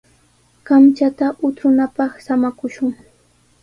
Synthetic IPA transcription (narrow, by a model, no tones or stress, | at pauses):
kamt͡ʃat̪aʔʊt̪ɾʊnapɑχsamakʊʃʊŋ